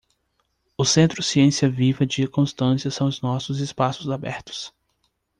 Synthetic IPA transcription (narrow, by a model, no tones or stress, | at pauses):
ʊsẽnt̪ɾʊsiẽsiɐvivɐd͡ʒɪkõst̪ɐ̃siɐsɐ̃w̃ʊznɔsʊzɪspasʊzabɛ̰ɾt̪ʊ̥s